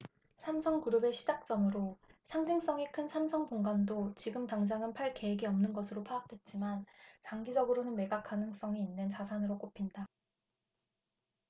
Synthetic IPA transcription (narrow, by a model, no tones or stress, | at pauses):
sʰamsʰʌŋkuɾɯbe̞ɕʰid͡ʑak̚t͡ɕ͈ʌmɯɾosʰaŋd͡ʑiŋs͈ʌŋikʰɯnsʰamsʰʌŋpoŋɡandot͡ɕiɡɯmtaŋd͡ʑaŋɯnpʰaɭke̞eɡiʌmnɯnɡʌsʰɯɾopʰaak̚t͈we̞t̚t͡ɕ͈imant͡ɕaŋɡid͡ʑʌɡɯɾonɯnmeɡak͈anɯŋs͈ʌŋiinːɯnt͡ɕasʰanɯɾok͈opʰinda